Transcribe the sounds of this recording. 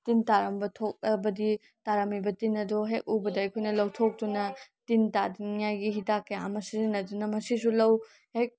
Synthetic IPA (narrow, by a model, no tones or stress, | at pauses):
tintaɾɐmbɐtʰok̚ɐbɐdi | taɾɐmibɐtinːɐdoɦek̚ubɐdɐɐjkʰojnɐlɐwtʰok̚tunɐtintadinjajɡihitakːɐjamɐsizinɐdunɐmɐsisulɐw | hek̚